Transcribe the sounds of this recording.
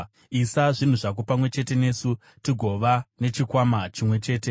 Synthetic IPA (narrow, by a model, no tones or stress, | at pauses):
isaʐin̤uʐak̬upamwe̞t͡ʃe̞te̞ne̞ːsu | tiɡʱo̞ʋane̞t͡ʃikwamat͡ʃimwe̞t͡ʃe̞ːte̞